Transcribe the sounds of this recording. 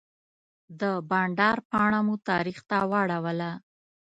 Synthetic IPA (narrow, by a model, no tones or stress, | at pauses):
d̪əbɑɳɖɑɾpɑɳamut̪ɑɾixt̪awaɽawəla